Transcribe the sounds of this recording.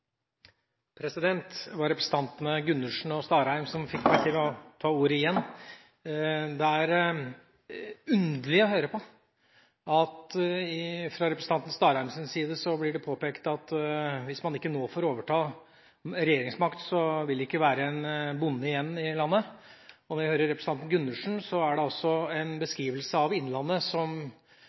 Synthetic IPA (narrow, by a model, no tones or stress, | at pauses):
pʰɾɛsɪd̪ɛnt̪ʋɑɾɛpɾɛsn̩t̪ɑnt̪ənəɡʉnːʉʂɳ̩ɔst̪ɑːɾæɪmsɔmfɪkːʋæʈʰimɛɔt̪ʰɑːuːɾəɪjɛnː | d̪ɛæɾ | ʉnd̪əlɪɔɦøːɾəpʰɔ | ɑt̪ɪfɾɑɾɛpɾəsn̩ɑnt̪n̩st̪ɑːɾɑɾmsənsiːd̪əsɔblɪɖɛpʰoːpɛːkt̪ɑt̪ʋɪsmɑnɪkːənoːfoːɾoːʋəʈʰɑː | ɾɛjeːɾɪŋsmɑkt̪sɔʋɪld̪ɛɪkːəʋæːɾəɛnbʊnːəɪjɛnːɪlɑnːəɔnɔʋɪhøːɾəɾːɛpɾsʰɑnt̪n̩ɡʉnːʉʂɳ̩sɔæɖɛɔsːɔɛnbəskɾiːʋəlsəɑʋɪnːlɑnːəsɔm